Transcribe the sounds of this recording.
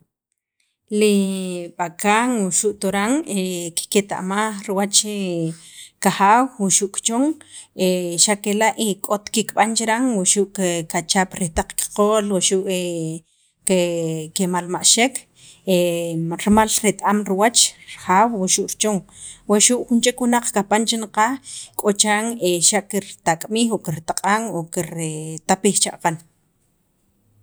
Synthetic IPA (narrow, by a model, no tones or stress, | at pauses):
liɓakaŋwuʃuʔt̪oɾaŋeki̥ket̪a̰ʔmaχɾiwat͡ʃe | kaxaːwwuʃuʔkt͡ʃoŋeʃakelaʔikʼot̪kikɓant͡ʃɾaŋwuʃuʔkkat͡ʃapɾit̪aq͡χki̥qoːlwaʃuʔe | kekemalmaʔʃekʰ | eɾmalɾit̪ʼʔamɾiwat͡ʃɾaχaːwwaʃuʔɾt͡ʃoŋ | weʃuʔxunt͡ʃekwunaq͡χkapant͡ʃinqakʼot͡ʃaːŋeʃaʔkiɾt̪akʼmixokiɾt̪aqʼaŋokiɾt̪apixt͡ʃaʔqan